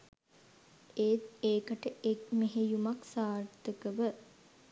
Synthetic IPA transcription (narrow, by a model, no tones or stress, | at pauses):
eːt̪eːkəʈəekmeɦejumaksaːɾt̪əkəʋə